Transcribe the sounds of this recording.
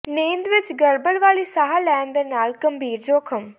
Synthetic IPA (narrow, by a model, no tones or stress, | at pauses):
nẽːnd̪ʋɪt͡ʃɡəɾbəɽʋaːliːsaːɦaːlɛːnd̪eːnaːlkəmbʱiːɾd͡ʒoːkʰəm